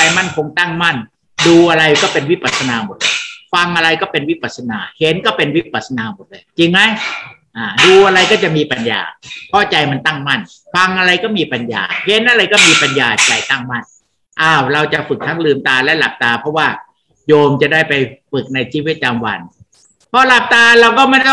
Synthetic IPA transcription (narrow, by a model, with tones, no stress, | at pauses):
a˧jma˥˩nkʰo˧ŋt̪a˥˩ŋma˥˩n | duː˧ʔa˧ɾa˧jkɔː˥˩pe˧nwi˦˥pa˨˩t̪̚sa˧naː˧mo˨˩t̪̚lɤː˧jfa˧ŋʔa˧ɾa˧jkɔː˥˩pe˧nwi˦˥pa˨˩t̪̚sa˧naː˧˩he˨˦nkɔː˥˩pe˧nwi˦˥pa˨˩t̪̚sa˧naː˨˧mo˨˩t̪̚lɤː˧jt͡ɕi˧ŋma˦˥jʔaː˧˨˩duː˧ʔa˧ɾa˧jkɔː˥˩t͡ɕa˨˩miː˧pa˧nja̰ː˨˩pʰɔ˦˥˩t͡ɕa˧jma˧nt̪a˥˩ŋma˥˩n | fa˧ŋʔa˧ɾa˧jkɔː˥˩miː˧pa˧nja̰ː˨˩he˨˦nʔa˧ɾa˧jkɔː˥˩miː˧pa˧njaː˨˧˩t͡ɕa˧˩jt̪a˥˩ŋma˥˩n | ʔaː˧˩wɾa˧wt͡ɕa˨˩fɯ˨˩k̚t̪ʰa˦˥ŋlɯː˧mt̪aː˧lɛ˦˥la˨˩p̚t̪aː˧pʰɔ˦˥waː˥˩ | joː˧mt͡ɕa˨˩daː˥˩jpa˧jfɯ˨˩k̚na˧jt͡ɕʰiː˧wi˦˥˩t̪̚daː˧mwa˧n | pʰɔ˦˥la˨˩p̚t̪aː˧ɾa˧wkɔː˥˩ma˥˩˥